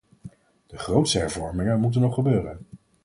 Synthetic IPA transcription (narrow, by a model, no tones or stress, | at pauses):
d̥əχrowtstəɦɛɹvɔɹmɪŋənmut̬ənːɔχəbøːrən